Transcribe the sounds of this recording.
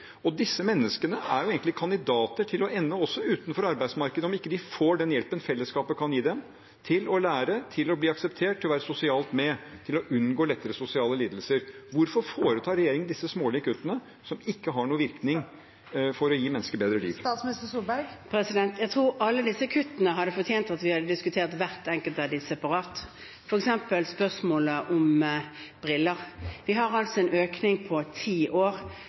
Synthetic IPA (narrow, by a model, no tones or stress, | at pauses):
ɔd̪ɪsːəmɛnːəskənəʔæɾjʊeːɡnɪkʰɑnd̪ɪd̪ɑːt̪əʈʰɪlɔʔɛnːəɔsːɔʉːt̪nfɔɾɑɾbæɪsmɑɾkəd̪əɔmɪkːəd̪ɪfoːɖɛnjɛlpənfɛlːəskɑːpəkʰɑnjiːd̪ɛm | t̪ʰɪlɔlæːɾət̪ʰɪlɔbliːɑksəpt̪ʰeːʈʰːɪlɔʋæːɾəsʊsɪɑːlt̪mɛt̪ʰɪlɔʔʉnɡoːlɛt̪ːəɾəsʊsɪɑːləliːd̪lsəɾʋʊɾfɔɾfoːɾət̪ʰɑːɾɛjeːɾɪŋənd̪ɪsːəsmoːliːkʉt̪ːənə | sɔmɪkːəɦɑɳuːəʋɪɾknɪŋ | fɔɾɔjiːmɛnːəskəɾbeːd̪ɾəlḭːʋt̪ɑsmnɪst̪əsuːbæɾɡpʰɾɛsɪd̪ɛnt̪jæɡt̪ʰɾuːɾɑlːəd̪ɪsːəkʰʉt̪ːənəɦɑd̪ːəfɔt̪ʰjeːnt̪ɑt̪ʋɪhɑd̪ːəd̪ɪskʉt̪ʰeːʁt̪ʋæʁt̪ɛŋkəlt̪ʋæd̪ɪsɛpɑʁɑːt̪ | fɔɾɛksɛmpəlspœʁsmoːləʔɔm | b̥ʁɪlːəʁʋɪɦɑʁɑlt̪sɔɛnʔøːknɪŋpʰɔt̪ʰiːʔoːʁ